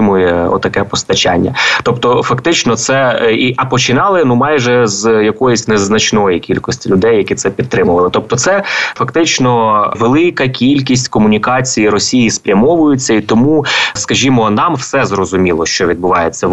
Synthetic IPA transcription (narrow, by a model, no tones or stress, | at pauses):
mʊjɛɔ̰t̪ːɐkɛpɔst̪ɐt͡ʃa̰nʲːɐ̰t̪ɔpt̪ɔfɐkt̪ɪt͡ʃnɔt̪sɛiʔɐpɔt͡ʃɪnɑlˠɪnumɑjʒɛzjɐkɔjʊsʲnɛznɐt͡ʃnɔjikʲilʲkɔsʲtʲilʲʊd̪ɛjːɐkʲit̪sɛpʲid̪t̪t̪ːɾɪmʊʋɐlˠɪt̪ɔp̚t̪ɔt̪sɛfɐkt̪ɪt͡ʃnɔʋelˠɪkɐkʲilʲkʲisʲtʲkɔmʊnʲikɑt͡sʲijiɾɔsʲijispɾʲɐmɔʋʊjʊt͡sʲːɐit̪ɔmuskɐʒʲimɔnɑmwsɛzrɔzʊmʲilˠɔʃt͡ʃɔʋʲid̪bʊʋɑjet͡sʲːɐ